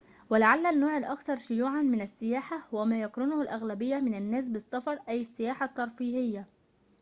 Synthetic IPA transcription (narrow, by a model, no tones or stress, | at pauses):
wɪlaʕalːænːoːʕɪlʔɑkt̪ɑɾˤʃʊjuːʕanmɪnasːɪjaːħahʊwwæmaːjɑkɾɪnʊhʊlʔaɣlabɪjːamɪnanːæːs̬bɪsːɑfɑɾˤʔæjɪsːɪjaːħat̪ːɑɾˤfiːhɪjːa